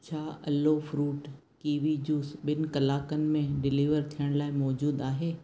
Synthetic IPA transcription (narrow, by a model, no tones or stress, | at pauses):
t͡ɕʰaːʔɐlofɾuːʈ | kiːʋid͡ʑuːsɓɪnɪ̆kɐlaːkənɪ̆mẽɖɪliːʋəɾt̪ʰijəɽ̃laːɪmɔːd͡ʑuːd̪aːɦeː